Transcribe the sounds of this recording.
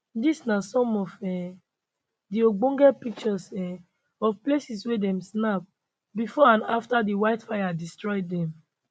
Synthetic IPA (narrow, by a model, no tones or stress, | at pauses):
disnasɔ̃mɔfɛ̃ | dioɡ͡bõŋɡɛpik̚t͡ʃɔsɛ̃ | ɔfplesiswɛdɛ̃msnap̚ | bifɔãnaftadiwaɪtfajadistɹɔjdɛ̃m